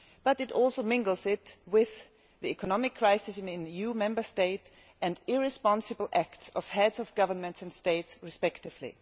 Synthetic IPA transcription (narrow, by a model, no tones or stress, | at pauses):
b̥ʌɾɨtɔlˠsoʊmɪ̃ŋɡl̩ˠzɪtwɪð | ðiɛkɔnɑmɪkʰːɹ̥aɪsɨsɨ̃nɪ̃nijumɛ̃mbə˞steɪt | ʔɨ̃ndɪɹɪspɑ̃nsɨbl̩ˠʔæktsɔv̥hɛdzʌvɡ̥ʌvə˞nmɨ̃ntsɨ̃ndsteɪtsɹɨspɛktɨv̥lḭ